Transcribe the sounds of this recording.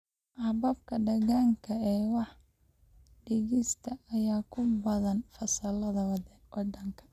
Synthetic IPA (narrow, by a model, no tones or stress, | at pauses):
ʔɑbɐb̚kʰɐɖɐɣaːŋkʰɐɛːwɑħ | ɖɪɣɪst̪ʰɐːjaːkʰʊbɐðɐnfɐsɐlɐðɐwd | wʔɑɖɐŋkʰɐ̥